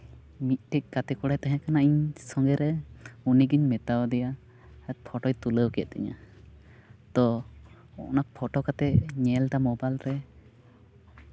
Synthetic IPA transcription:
mit̪̚ˀʈɛk̚ˀkat̪ɛkɔɽajt̪ɛɦɛ̃kanaiɲsɔŋɡɛɾɛuniɡiɲmɛt̪awd̪ɛja | pʰɔʈɔjt̪uləwkɛɛ̰t̪̚ɛ̰ɲa̰ | d̪ɔ | ɔ̰ʔnapʰɔʈɔkat̪ɛɲɛlt̪amɔbalɾɛ

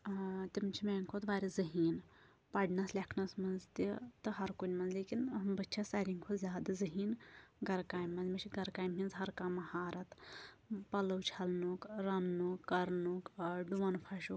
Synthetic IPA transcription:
t̪imt͡ʃʰimeːŋkʰoːt̪ʋaːɾʲizɐɦiːn | pɐɖnɐslʲekʰnɐsmɐnzt̪it̪ɨɦɐɾkunʲmɐnzleːkinmbɐtːt͡ʃʰasɐɾʲiŋkʰozʲjaːd̪azɐɦiːnɡɐɾkaːjmːɐnzmɐt͡ʃʰiɡɐɾkaːjmɦʲinzɦɐɾkaːmɐhaːɾɐt̪ | pɐlɐwt͡ʃʰɐlnukɾɐnnukːɐɾnukɖuʋɐnpʰɐʃu

